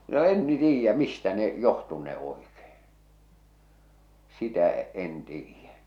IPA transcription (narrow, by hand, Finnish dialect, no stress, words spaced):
no en ni tiːjːæ mistæ ne johtunːe oikeː sitæ en tiːjːæ